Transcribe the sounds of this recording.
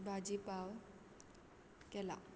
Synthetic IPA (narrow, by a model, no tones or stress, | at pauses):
bʱad͡ʒipaw | kɛla̰